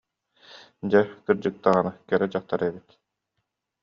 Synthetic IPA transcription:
d͡ʑɛkɯɾd͡ʑɯk̚t̪aʁanɯkɛɾɛd͡ʑaχt̪aɾɛbit̪

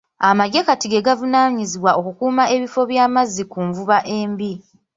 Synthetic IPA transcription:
amaɟe̞katiɡe̞ɡavunaːɲiziβwaʔo̞kukuːmaʔe̞βifo̞βjaːmazikuɱvuβaʔe̞ːmbi

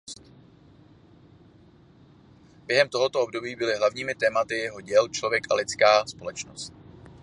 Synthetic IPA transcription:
t̪ | b̥jɛɦɛmt̪oɦo̞t̪ob̚do̞biːbɪlɪɦlavɲiːmɪt̪ɛːmat̪ɪjɛɦo̞ɟɛlt͡ʃlovjɛkʔalɪt͡skaːspo̞lɛt͡ʃno̰st̪

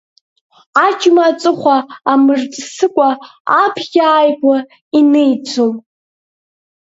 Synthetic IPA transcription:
at͡ʃʼmat͡sʼɨχʷaːmɨrt͡sʼsɨkʷʼaapʰɡʲaːjkʷʼa | inejt͡sʷʰom

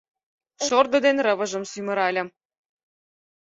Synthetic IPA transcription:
ʃord̪ɤ̆d̪enrɤ̆βɤ̆ʒɤ̆msymɤ̆ɾɑlʲɤ̆

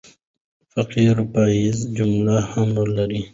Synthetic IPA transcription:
fɐqiɾupaːizd͡ʒumlahɐmlɐɾi

